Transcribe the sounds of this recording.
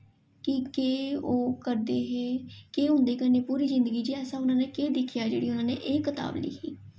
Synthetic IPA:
kɪkeːoːkəɾd̪eːɦeːkeːɦʊ̃nd̪eːkəɾneːpuːɾiːzɪnd̪əɡiːd͡ʒiːɛːsãːʊnãːneːkeːd̪ɪkʰːijaːd͡ʒḛːɽiːʊnãːneːʔeːkət̪a̰ːblḭːkːḭː

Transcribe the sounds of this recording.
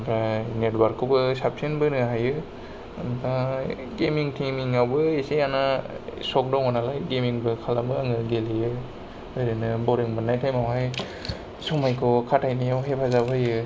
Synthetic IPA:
bɾanetwaɾkʰɔbɯsap̚sɯnbɯnɯɦajɯ | nkʰa | ɡemiŋtʰimiŋawbɯesejanasɔk̚dawŋanalajɡemiŋbɯkʰalabɯaŋɯɡelijɯ | ɯɾɯnɯbɔɾiŋbɯnːajtʰajmawɦaj | sɔmajkʰɔkʰatʰajnijawɦepʰazabɯjɯ

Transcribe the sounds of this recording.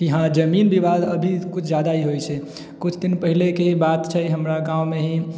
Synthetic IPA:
kiɦãd͡ʒəminbiβad̪əbʱikut͡ʃʰd͡ʒad̪aiɦojt͡ʃʰɛ | kut͡ʃʰd̪inpəɦilekebat̪t͡ʃʰɛɦəmɾaɡãumeɦĩ

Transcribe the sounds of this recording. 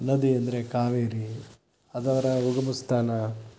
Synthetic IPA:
nɐd̪iɐnd̪ɐɾe̞kaːʋeːɾi | ɐd̪ɐʋɐɾɐuɡɐmust̪ʰaːnɐ

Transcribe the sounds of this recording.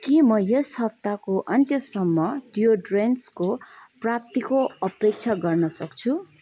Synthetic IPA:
kimʌjeshʌpt̪akoʔʌnt̪jʌsʌmːʌɖijoɖrenskoprap̚t̪ikoʌpek̚t͡sʰaɡʌrnʌsʌkt͡sʰu

